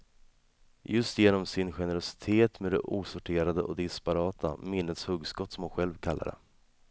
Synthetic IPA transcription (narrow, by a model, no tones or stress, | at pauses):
jɵst̪jeːnɔmsɪnɧɛnəɾɔsɪ̥t̪ʰeːt̪med̪ɛ̰ʔuːsʊʈʰeːɾad̪əʔɔd̪ɪspaɾɑːt̪ʰa̰mɪnːət̪shɵɡskɔt̪ːsɔmhʊnɧɛlvkʰalːa̰ɾə̰